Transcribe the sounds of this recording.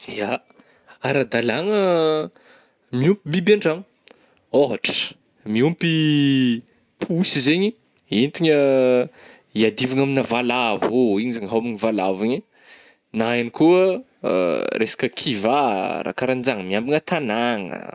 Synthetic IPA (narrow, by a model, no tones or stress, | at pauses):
a | aɾad̪alaŋə | miumpibibaɳɖ͡ʐaŋ | oɦaʈ͡ʂə̥ | miumpi | pʰuusizeɲi | ent̪iɲə | iad̪ivaŋaminavalavoiɲizaŋɦawmiɲivalaviɲi | naanikuə̰ | rʔesḁkəkʰivaɾa̰kaɾand͡zaŋəmiambaŋət̪anaŋə̰